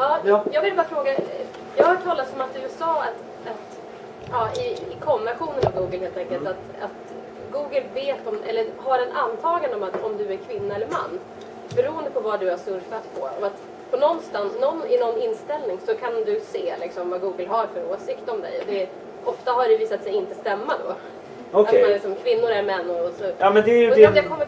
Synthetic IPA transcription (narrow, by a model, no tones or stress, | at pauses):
ɑːjɑːɡvɪlbɑːɾafɾoːɡa | jɑːɡhaʈʰɑːlːat̪sɔmat̪̚d̪sɑːat̪ | at̪ | ɑːɪɪkʰɔmbɪnaɧuːnənavɡuːɡəlɦeːlt̪ʰɛŋkəlt̪at̪ | a̰t̪ | ɡuːɡəlveːt̪ɔmʔɛlːəɾɦaɾɛnʔant̪ʰɑːɡand̪əɔmat̪ɔmd̪ɵæɾkʰvɪnːaɛlːəɾma̰nː | bɛɾuːənd̪əpʰɔvad̪ɵhaʂsɵɾfat̪pʰɔɔat̪ | pʰɔnɔnːst̪annːɔnːɪnɔnːɪnːst̪ɛlnɪŋsɔkʰand̪ɵseːlɪksɔmvaɡuːɡəlɦaɾfœɾoːsɪkt̪ɔmd̪ɛ̰jɔd̪ɛ | ɔft̪aɦaɖɛviːsat̪sɛjɪnt̪əst̪ɛmːad̪ɔ̰ | ɔat̪manlɪksɔmkʰvɪnːʊɾæɾmɛnːɔsɔjɑmɛnd̪ɛjd̪ɛkʰɔmːə